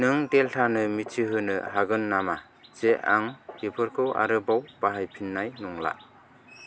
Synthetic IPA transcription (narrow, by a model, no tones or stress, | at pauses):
nɯŋdeltʰanɯmitʰiɦɯnɯhaɡɯnːama | z̥eʔa̰ŋɡipʰɯɾkʰɯwa̰ɾɯbawb̥aɦajpʰinːajnɔŋla̰